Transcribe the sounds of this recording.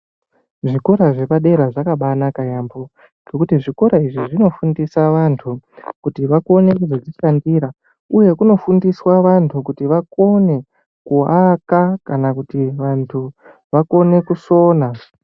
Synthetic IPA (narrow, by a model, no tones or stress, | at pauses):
ʐiko̞ɾaʐe̞paɗe̞ɾaʐakaɓanakajaːmbo | ɡ̥o̞kutiʐiko̞ɾaiʐiʐino̞fundisaʋantʰukutiʋako̞ne̞kuzod͡ziʃandiːɾa | uje̞kuno̞fundiswaʋantʰukutiʋako̞ne̞ | kuakakanakutiʋantʰu | ʋako̞ne̞kuso̞ːna